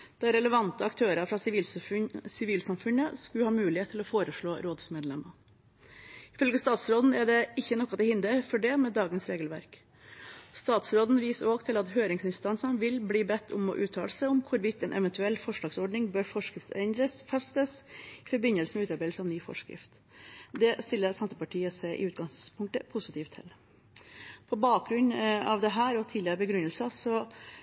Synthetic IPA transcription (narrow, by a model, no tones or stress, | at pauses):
d̪̥ɑɾɛləʋɑnt̪əɑkt̪ʰøːɾəfɾɑsiːlsɪʋiːlsɑmfʉnəskʉhɑːmʉːlɪheːt̪ʰːɪlɔfoːɾəʂɭoːɾoːd̪smeːd̪lɛmə | ɪfœlɡəst̪ɑːt̪sɾoːd̪n̩ɛɖɛʔɪçːənɔkːɑt̪ɛhɪnd̪əfɔɖɛmɛd̪ɑːɡənsɾeːɡəlʋæ̰ɾk | st̪ɑːt̪sɾoːd̪n̩ʋiːsoːɡt̪ʰɪlɑt̪ɦøːɾɪŋsɪnst̪ɑnsənʋɪlbliːbɛt̪ʰːʊmɔ̰ʔʉːt̪ʰɑːləsɛɪʊmkʰʊɾʋɪt̪ːɛnʔɛʋɛnt̪ʉɛlːfɔʂɭɑːɡsɔɖnɪŋbøːɾfɔʂkəsɛ̰ɪnd̪ɾəfɛst̪əsɪfɔɾbɪnəlsəmɛʉːt̪ɑɾbæɪd̪lsəɑʋnyːfɔ̰ʂkɾɪ̰ft̪ | d̪ɛst̪ɪlːəɾsɛnt̪əpɑʈʰiːəsæɪʔɪ̰ʉːt̪̚ɡɑŋspʰʊŋk̚t̪əpʰʊsɪt̪ʰiːft̪ʰːɛ̰l | pʰɔbɑːk̚ɡɾʉɲɑ̰ʋd̪ɛɦæːɾɔt̪ʰiːlɪəɾəbəɡɾʉnːəlsəsɔ